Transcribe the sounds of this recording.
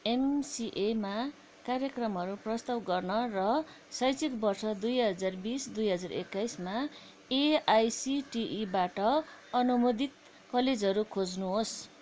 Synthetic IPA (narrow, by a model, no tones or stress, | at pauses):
emsiʔema | karjʌkrʌmɦʌɾuprʌst̪awɡʌrnʌrʌ | sʌjt͡sʰikbʌrsʌd̪ujɦʌd͡zarbisd̪ujɦʌd͡zarḛkːajsma | eajsiʈiʔibaʈʌʌnumod̪it̪ | kʌled͡zɦʌɾukʰod͡znuɦos